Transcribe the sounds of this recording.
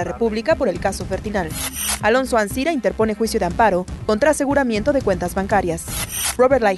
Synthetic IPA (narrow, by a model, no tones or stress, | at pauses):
arepuβlikapo̞ɾe̞lkaso̞fe̞ɾt̪inalalo̞nso̞ansiɾaint̪eɾpo̞ne̞xwisjo̞ðeampaɾo̞ko̞nt̪ɾaːse̞ɣuɾamje̞nt̪o̞ðe̞kwe̞nt̪azβaŋkaɾjasroβet̪la